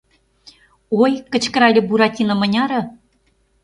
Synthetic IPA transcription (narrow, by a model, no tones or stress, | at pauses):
ojkə̆t͡ɕkəɾɑlʲĕbuɾɑtʲinɤ̆mə̆nʲɑɾɤ̆